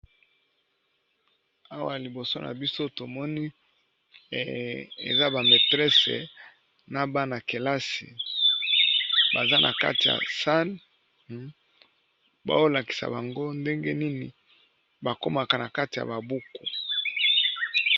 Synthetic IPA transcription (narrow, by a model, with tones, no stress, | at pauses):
a˦wa˨li˨bo˨so˦na̰˨bi˦so˦to˨mɔ˦ni˦˨ | ḛ˨za˦ba˨me˨tʁɛ˦sḛ˨ | na˨ba˦na˨ke˨la˦sḭ˨ | ba˨za˦nʔa̰˨ka̰˦ti˨ja̰˨sa˦l | ba̰˦o˦la˨ki̥˨sa̰˨ba˨ŋɡo˦nde˦ŋɡe˦ni˦ni˨ | ba˨ko˦ma˨ka˨na˨ka˦ti˨ja̰˨ba˨bu˦ku˨